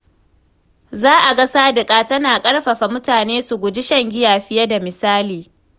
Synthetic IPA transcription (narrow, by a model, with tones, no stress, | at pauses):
zaː˦ʔa˨ɡɐ˦saː˦dɪ˨kʼaː˦tɐ˦naː˨kʼɐ˦ɽɸɐ˨ɸa˨mʊ˦taː˨neː˦su˨ɡʷʊ˨d͡ʒɪ˦ʃɐ˦ŋɡʲɪ˦jaː˨ɸɪ˦jɐ˦da˨mɪ˨saː˦liː˨